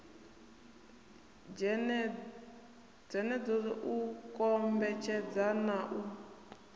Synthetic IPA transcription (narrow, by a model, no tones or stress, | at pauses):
d͡zɛnɛd͡zɔɔʔukʼɔmbɛt͡ʃʰɛd͡zanaʔu